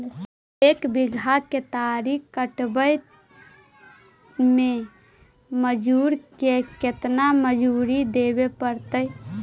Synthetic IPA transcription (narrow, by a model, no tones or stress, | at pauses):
eːkbiɡʱaket̪aɾikkəʈbəj | mẽ | məd͡ʒuːɾkeket̪naməd͡ʒuɾid̪ebepəɾt̪əj